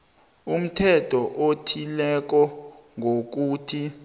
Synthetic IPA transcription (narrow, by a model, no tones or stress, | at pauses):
um̩tʰɛtʰɔʔotʰilɛk̬ɔ | ŋʱok̬uːtʰi